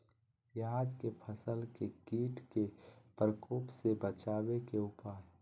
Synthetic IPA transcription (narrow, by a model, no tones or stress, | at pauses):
jaːd̪kepʰəsəlkeɡiːʈʰkepɾəkoːpsebət͡ʃaːwekeʊpaːj